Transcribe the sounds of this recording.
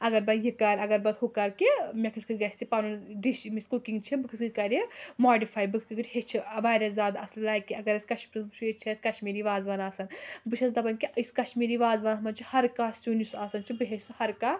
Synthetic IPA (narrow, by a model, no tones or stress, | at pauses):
ɐɡɐɾbɐd̪jikɐɾɐɡɐɾbɐd̪hukɐɾkimʲekʰɨt̪kʰɨɡɐsʲt̪ʲipɐnuɖiʃmiskukiŋɡt͡ʃʰibɨkʰɨt̪kɨkɐɾʲimoːɖifʰaːjbɨkʰkɨkɨʈʰʲhet͡ʃʰiʋaːɾʲɐzʲaːd̪ɐsllaːkiɐɡɐɾɐsʲkɐʃmʲiɾɨnbɨt͡ʃʰuet͡ʃʰisʲkɐʃmiːɾiːʋaːzʋɐnaːsɐnbɨt͡ʃʰɐs̬d̪ɐbɐnkiʔjskɐʃmiːɾiːʋaːzʋɐnɐmɐnt͡ʃʰihɐɾkaːssʲunisaːsɐnt͡ʃʰibɨɦesɨhɐɾka